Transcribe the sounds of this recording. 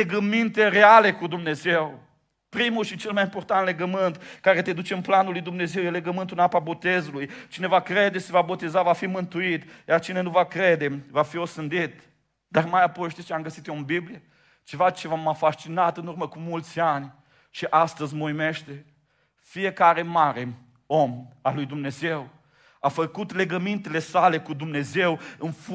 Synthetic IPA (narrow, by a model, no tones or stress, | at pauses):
leɡəmint̪e̞ɾeale̞kud̪umne̞zew | pɾimulʃit͡ʃe̞lmajimpo̞rt̪ant̪le̞ɡəmɨnt̪kaɾe̞t̪e̞d̪ut͡ʃeɨnplanulujd̪umne̞ze̞wjele̞ɡəmɨnt̪ulnapabo̞t̪e̞zulujt͡ʃine̞vakɾe̞d̪e̞ʃivabo̞t̪e̞zavafimɨnt̪uit̪jart͡ʃine̞nuvakɾe̞d̪e̞vafio̞sɨnd̪it̪̚ | d̪armajapo̞jʃt̪ist͡ʃeamɡəsit̪joombiblije | t͡ʃe̞vat͡ʃe̞vamafaʃt͡ʃinat̪ɨnurməkumult̪sʲanʲ | ʃiʔast̪əzʲməujmeʃt̪e̞ | fije̞kaɾe̞maɾe̞ | o̞malːujd̪umne̞ze̞w | afəkut̪le̞ɡəmint̪e̞le̞sale̞kud̪umne̞ze̞wɨnf